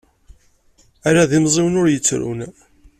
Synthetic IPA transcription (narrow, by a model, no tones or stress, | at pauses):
æɾaðimzˤiwnʊɾjət͡sːɾṵn